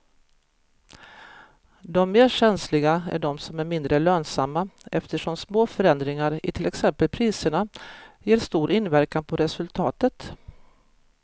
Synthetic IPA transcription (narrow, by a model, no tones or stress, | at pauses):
d̪ɔmːeːɕɛnslɪɡaæ̰ɖɔmsɔmæɾmɪnd̪ɾəløːnsamːaʔɛft̪əʂɔmsmoːfœɾɛnd̪ɾɪŋaɾɪ̰t̪ʰɪlɛksɛmpəlpʰɾiːsəɳajeːɾʂt̪uːɾʔɪnvæɾkanpʰɔɾɛsɵlt̪ʰɑːt̪ət̪